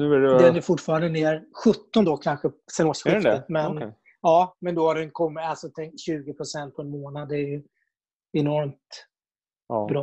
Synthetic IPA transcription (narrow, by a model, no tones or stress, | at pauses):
nʉɛɾɛd̪ɛnæɾfʊʈfɑːɾand̪əneːɾɧɵt̪ːɔnd̪ɔkʰanɧəsɛst̪ɧɪət̪mɛn | ɑːmɛnd̪ɔhaɖɛjɪnt̪əkʰɔmːɪalsɔt̪ʰɛŋk̚t̪ɕʉ̟ːɡɪpʰɾʊsɛnt̪̚pʰɔɛnmoːnad̪ːɛæɾjɵ | ɛnɔɾmt̪ | bɾɑː